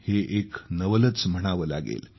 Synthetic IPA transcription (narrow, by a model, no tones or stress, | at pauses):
heʔeknəʋələt͡sm̤əɽ̃aʋəla̰ɡḛl